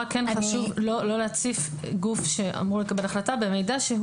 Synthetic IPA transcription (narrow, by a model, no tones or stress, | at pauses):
kenχaʃuvlo̞lo̞leat͡sif | ɡufʃe̞ʔa̰mʁulekabe̞laχlatabe̞mejdaʃe